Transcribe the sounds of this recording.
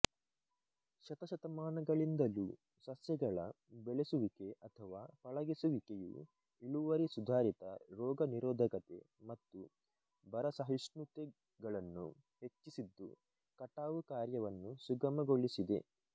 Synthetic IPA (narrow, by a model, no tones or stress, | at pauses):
ʃɐt̪ɐʃɐt̪ɐmaːnɐɡɐɭind̪ɐlu | sɐsjɐɡɐɭɐ̰ | beɭesuʋike̞ʔɐt̪ʰɐʋaːpɐɭɐɡesuʋikejṵ | iɭuʋɐɾisud̪ʱaːɾit̪ɐ̰ɾɔːɡɐniɾɔːd̪ʱɐkɐt̪ḛ | mɐt̪ːu | bɐɾɐsɐɦisnut̪e | ɡɐɭɐnːṵ | he̞t͡ʃːisid̪ːṵ | kɐʈaːʋukaːɾjɐʋɐnːusuɡɐmɐɡoɭisid̪e̞̰